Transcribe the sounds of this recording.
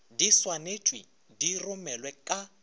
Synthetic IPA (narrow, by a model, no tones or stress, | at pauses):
diswanet͡ʃʼwi | dirʊmɛlwɛkʼa